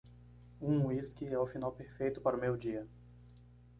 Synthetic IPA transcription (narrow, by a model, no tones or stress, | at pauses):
ũiskiɛʊfinawpeɾfejt̪ʊpaɾʊmewd͡ʒiɐ